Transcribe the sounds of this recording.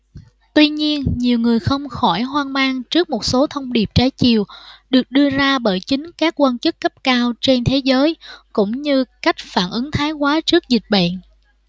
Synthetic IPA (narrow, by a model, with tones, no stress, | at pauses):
t̪wi˧ɲi˧ənɲi˨˩wŋɨ˨˩əjxə˧wŋ͡mxɔ˧˩jɦwaː˧nmaː˧ŋt͡ɕɨ˦˥ək̚mo˨˩t̚so˨˦t̪ʰə˧wŋ͡mɗi˨˩əp̚t͡ɕaː˨˦jt͡ɕḭ˨˩əwɗɨ˨˩ək̚ɗɨ˧əzaː˧ɓəː˧˩jt͡ɕï˨˦ŋ̟kaː˦˥kːwaː˧nt͡ɕɨ˦˥kːə˦˥p̚kaː˧wt͡ɕe˧nt̪ʰe˨˦zəː˨˦jkʊ̰˧˥ŋ͡mɲɨ˧ka˦˥jk̟̚faː˧˩nʔɨ˨˦ŋt̪ʰaː˨˦jkwaː˨˦t͡ɕɨ˦˥ək̚zi˨˩k̟̚ɓa̰˧˨n